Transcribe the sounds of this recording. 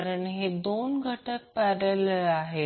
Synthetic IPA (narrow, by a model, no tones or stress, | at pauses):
ɾəɳɦed̪onɡʱəʈək̚pəɾəlaɦe